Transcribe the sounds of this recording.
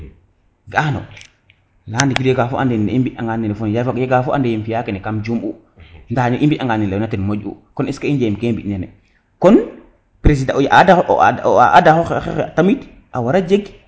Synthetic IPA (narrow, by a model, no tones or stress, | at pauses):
ɡano̰ | laːndiɡidjeɡafoʔandɛnnimbiaŋɡaninɛfonjkjeɡafɔʔa̰ndejimfijakenɛkamd͡ʒumu | ndaniʔimbiʔaŋɡaninlajnatinmoɟṵkɔniskaind͡ʒemkembiʔnanɛ̰ | kɔn | pɾes̬idajʔadaʔaʔadaxoxexexeatamit | ʔawaɾad͡ʒeɡ